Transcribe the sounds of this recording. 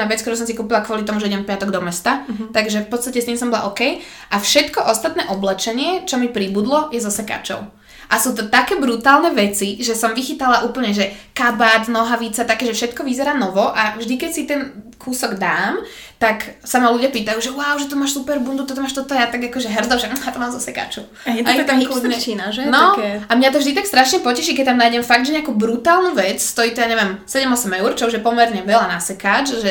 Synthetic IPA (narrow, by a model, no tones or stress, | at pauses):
naʋɛt͡sk̚t̪ɔɾusɔmsikuːpilakʋʊɔlit̪ɔmuʒɛiɟɛ̃mfpat̪ɔɡd̪ɔmɛst̪at̪aɡʒɛfpɔt̪t͡st̪acɛst̪iːmsɔmbɔla̰ʔɔkɛj | ʔafʃɛt̪kɔʔɔst̪at̪nɛːʔɔblɛt͡ʃɛɲɪɛt͡ʃɔmipɾibud̪lɔjɛzɔsɛka̰t͡ʃɔ̰ʊ | ʔasuːt̪ɔt̪akɛːbɾut̪aːlˠnɛʋɛt͡siʒɛsɔmʋixit̪alaʔuːpl̩ɲɛʒɛkabaːt̪nɔɦaʋit͡sat̪akɛːʒɛfʃɛt̪kɔʋizɛɾaːnɔʋɔʔavʒd̪ikɛcsit̪ɛn | kʰuːsɔɡd̪aːm | t̪aksamaluɟɪjapiːt̪ajuʒɛwaʊʒɛt̪ɔmaːʃsupɛɾbund̪ut̪ɔt̪ɔmaːʃt̪ɔt̪ɔjat̪aɡakɔʒɛɦr̩d͡zɔʒɛjat̪ɔmaːmzɔsɛka̰ːt͡ʃɔ | ɛat̪akluɲɛt͡ʃinaʒɛnɔamɲat̪ɔvʒd̪it̪akst̪ɾaʃɲɛpɔcɛʃikɛt̪amnajɟɛmfaɡd̪ʒɛɲɛakubɾut̪aːlˠnuʋɛt͡sst̪ɔiːt̪ɔjaɲɛʋɛmsɛɟɛmɔsɛmɛʊrt͡ʃɔuʒjɛpɔmɛɾɲɛʋɛlanasɛkaːt͡ʃʒɛ